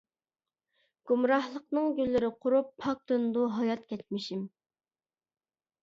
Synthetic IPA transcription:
ɡ̥umɾɑhlˠəq̚nɨŋɡʲylːɪɾɪqʰʊɾupʰːɑk̚t̪ɨnd̪uɦɑjɑt̪̚kʲʰɛt̪̚mɪʃim

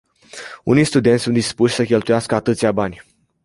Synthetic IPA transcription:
ṵnijst̪ud̪e̞nsund̪ispuʃʲsəkʲe̞lt̪ujaskəat̪ɨt̪siabanʲ

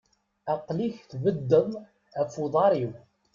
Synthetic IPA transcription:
ɑqliçθvəd̪ːəðˤ | æfuðˤɑɾiw

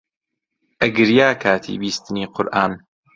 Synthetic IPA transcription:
ʔɐɡɨɾjaːkʰaːt̪ʰḭːbiːst̪ɨniːqʰʊɾʔaːn

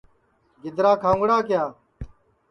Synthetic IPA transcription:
ɡɪd̪ɾaːkʰãːŋɡɽaːkɪjaː

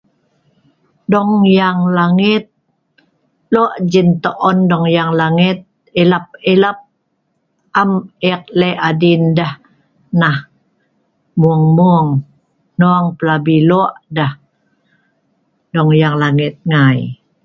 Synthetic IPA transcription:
dɔŋjaŋlaŋit̪̚ | loʔd͡ʒint̪oʔɔndɔŋjaŋlaŋit̪̚ | ilap̚ilap̚ | amɛk̚leʔadindah | nah | muəŋmuŋ | noaŋpəlabiloʔdah | dɔŋjaŋlaŋit̪̚ŋaj

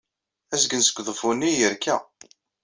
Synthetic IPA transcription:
æsɡənsə̥ɡʷːðˤəfunːijəɾkːæ̰

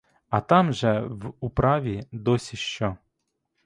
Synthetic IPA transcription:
ɐt̪ɑmʒɛwupɾɑʋʲid̪ɔsʲiʃt͡ʃɔ

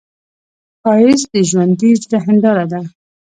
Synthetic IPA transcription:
xɑjɪsd̪əʒwand̪id͡ʒɾaɦɪnd̪ɑɾad̪a

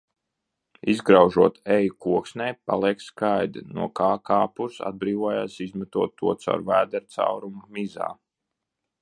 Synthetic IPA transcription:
izɡɾawʒuɔt̪ɛjukuɔksnʲɛjpa̰lˠiɛkskajd̪inṵɔkaːkaːpuɾsa̰d̪̚bɾiːvuɔjaːsizmɛt̪uɔt̪ːuɔt̪sa̰wɾvæːd̪ɛɾt̪sa̰wɾumumiza̰ː

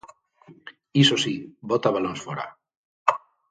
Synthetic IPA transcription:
isosibot̪aβalonsfoɾa̰

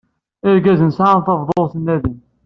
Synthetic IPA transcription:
ɪɾɡæzənsaʕanθɑvðˤoˤθənːæðin

